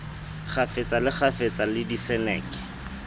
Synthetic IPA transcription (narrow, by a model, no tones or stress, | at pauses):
χʰafɪt͡sʼalɪχʰafet͡sʼalɪdisɛnɛːkɪ̥